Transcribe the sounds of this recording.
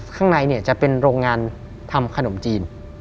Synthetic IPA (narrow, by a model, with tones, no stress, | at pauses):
kʰaː˥˩ŋna˧jni˥˩ɐt͡ɕa˨˩pe˧nɾoː˧ŋːaː˧n | t̪ʰa˧mkʰa˧no˩˦mt͡ɕiː˧n